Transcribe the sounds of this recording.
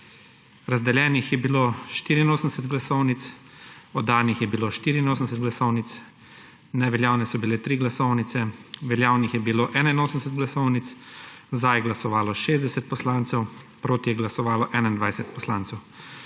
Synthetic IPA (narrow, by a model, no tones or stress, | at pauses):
ɾazd̪ɛljɛːnixjɛbiloːʃt̪iːɾiinoːsənd̪ɛsɛt̪ɡlasɔwnit̪s | ɔd̪aːnixjɛbiloʃt̪iːɾiːnoːsn̩d̪ɛsɛt̪̚ɡlasɔwnit̪s | nɛʋɛljaːwnɛsɔbilɛt̪ɾiɡlasɔwnit̪sɛʋɛljaːwnixjɛbiloːʔɛːnainoːsənd̪ɛsɛt̪ɡlasɔwnit̪szd̪ajɛɡlasɔʋaːlɔʃeːzd̪ɛsɛt̪̚pɔslant̪sɛw | pɾoːt̪ijɛɡlasɔʋaːlɔʔɛːnaind̪ʋajsɛt̪̚pɔslaːnt̪sɛw